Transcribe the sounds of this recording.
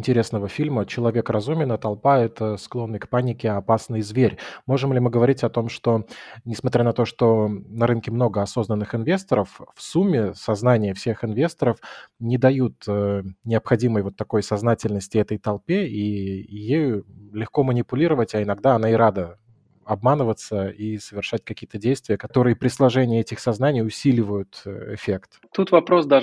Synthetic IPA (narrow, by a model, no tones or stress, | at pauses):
ɪnʲtʲɪɾʲe̞snəvəfʲilʲmət͡ɕɪlˠɐvʲe̞krɐzumʲɪnət̪ɐlˠpaɛt̪əsklˠo̞nːɨjkpanʲɪkʲɪɐpasnəjzvʲeɾʲmo̞ʐɨmlʲɪmɨɡəvɐɾʲitʲɐt̪o̞mʂt̪o̞nʲɪsmɐt̪ʲɾʲanɐt̪o̞ʂt̪o̞nɐɾɨnkʲɪmno̞ɡəɐso̞znənːɨxɪnvʲe̞st̪əɾəffsumʲːɪsɐznanʲɪjəfsʲexɪnvʲest̪əɾəfnʲɪd̪ɐjut̪ənʲɪəpxɐdʲiməjvo̞t̪ːɐko̞jsɐznatʲɪlʲnəsʲtʲɪɛt̪əjt̪ɐlˠpʲeijejʊlʲɪxko̞mənʲɪpʊlʲiɾəvətʲaɪnɐɡd̪aɐn̪aɪɾad̪ə | ɐb̚manəvət̪səisəvʲɪrʂat̚ʲkɐkʲijət̪ədʲejst̪vʲɪjəkɐt̪o̞ɾɨjəpɾʲɪslˠɐʐɛnʲɪːɛtʲɪxsɐznanʲɪjʊsʲilʲɪvəjʊt̪ɪ̰fʲe̞kt̪t̪ut̪vɐpɾosd̪a